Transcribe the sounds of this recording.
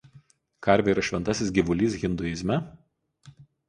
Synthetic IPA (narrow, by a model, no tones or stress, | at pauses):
kɐɾʲʋʲɛiɾɐʃʲʋʲɛnt̪ɐsʲɪsɡʲɪʋʊlʲiːsɣʲɪnd̪ʊɪzʲmʲɛ